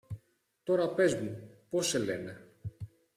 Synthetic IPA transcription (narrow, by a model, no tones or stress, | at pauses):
t̪o̞ɾɐpe̞zmupo̞se̞le̞̰ne̞